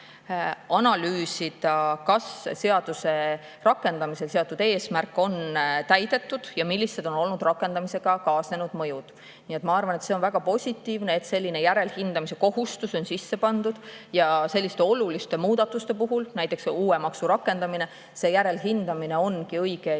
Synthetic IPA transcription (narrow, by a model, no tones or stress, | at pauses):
ɑnɑlyːsid̪ɑkɑsse̞ɑd̪̥use̞ | rɑkːˑe̞nd̪̥ɑmise̞lse̞ɑt̪ːˑud̪e̞ːsmærkːˑo̞nt̪æjd̪e̞t̪ːud̪̥jɑmilʲːise̞d̪o̞no̞lnud̪rɑkːˑe̞nd̪ɑmise̞ɡ̥ɑkɑːsne̞nud̪̥mɤ̞jud̪̥ | nijet̪mɑɑrvɑne̞t̪se̞o̞nvæɡ̥ɑpo̞sʲit̪ːˑiːvne̞et̪se̞lʲːine̞jæɾe̞lhind̪̥ɑmise̞ko̞ɦust̪uso̞nsisːe̞pɑnd̪̥ud̪̥jɑse̞lʲːist̪e̞olulist̪e̞muːd̪̥ɑt̪ːˑust̪e̞puɦulnæjt̪ːˑe̞ksuːemɑksuɾɑkːe̞nd̪̥ɑmine̞ | se̞ːjæɾe̞lɦind̪ɑmine̞o̞nkiɤjɡ̥e